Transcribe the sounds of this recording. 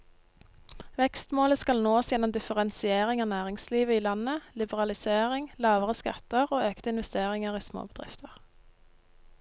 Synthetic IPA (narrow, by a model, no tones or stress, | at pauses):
ʋɛkst̪moːləskɑlnoːsjɛnːɔmd̪ɪfəʁɛnsɪeːʁɪŋɑːnæːʁɪŋsliːʋəiːlɑnəlɪbəʁɑlɪseːʁɪŋlɑːʋəʁəskɑ̰t̪əʁoːøːkt̪əɪnʋɛst̪eːʁɪŋəʁiːsmo̰ːbəd̪ʁɪ̰ft̪ʰəʁ